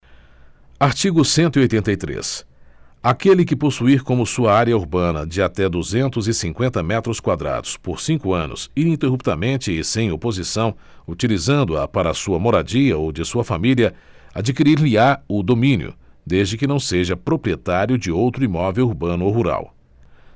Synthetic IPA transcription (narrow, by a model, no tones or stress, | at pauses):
aɾt͡ʃiɡʊsẽnt̪ʊiojt̪ẽnt̪ɐjt̪ɾḛs | akelɪk̬ɪposuiɾkõmʊsuɐaɾiɐuɾbɐ̃nɐ̰d͡ʒɪat̪ɛd̪uzẽnt̪ʊzɪsĩŋkwẽnt̪ɐmɛt̪ɾʊskwad̪ɾa̰d̪ʊspoɾsĩŋkʊɐ̃nʊ̰siĩnt̪eɦup̚t̪ɐmẽnt͡ʃɪːsẽj̃opozisɐ̃w̃ | ut͡ʃilizɐ̃nd̪ʊɐpaɾɐːsuɐmoɾad͡ʒiɐowd͡ʒɪsuɐfamiliɐ | ad͡ʒikiɾiɾliaʊd̪omĩnjʊ̰d̪ezd͡ʒɪkɪnɐ̃w̃seʒɐpɾopɾiet̪aɾjʊd͡ʒɪowt̪ɾʊimɔvewuɾbɐ̃nʊowɦuɾa̰w